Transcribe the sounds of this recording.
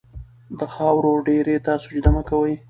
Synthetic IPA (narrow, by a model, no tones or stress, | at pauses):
d̪əxɑwɾoɖeɾet̪ɑsod͡ʒd̪amakawəj